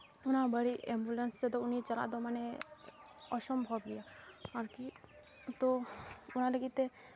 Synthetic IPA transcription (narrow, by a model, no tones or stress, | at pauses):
unabəɽiʔembulenst̪et̪ɔunit͡ʃəla̰d̪ɔmane | ɔʃɔmbʱɔbɡijaaɾki | t̪ɔun̤aləɡit̪ːe